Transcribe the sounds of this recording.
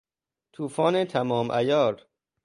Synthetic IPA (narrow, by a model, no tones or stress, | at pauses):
t̪ʰuːfɒːnet̪ʰæmɒːmʔæjɒːɾ